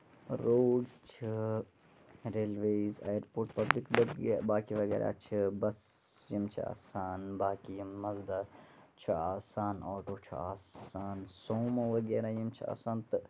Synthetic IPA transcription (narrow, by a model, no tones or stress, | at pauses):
ɾoːɖt͡ʃʰi | ɾeːlʋeːza̰ːjəɾpoːɾʈpɐblikbɐbaːkiʋɐɡɛ̰ːɾʔa̰t͡ʃʰibɐsjimt͡ʃʰḭa̰ːsaːnbaːkijimːɐzd̪ɐ | t͡ʃʰiaːsaːnɔːʈoːt͡ʃʰḭa̰ːsaːnsoːmɐʋɐɡɛːɾajimt͡ʃʰia̰ːsaːnt̪ɨ